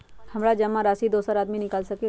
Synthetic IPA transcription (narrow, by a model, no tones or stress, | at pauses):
hɐmɾad͡ʒɐmːaɾaːsid̪oːsəɾaːd̪minɪkaːlsɐke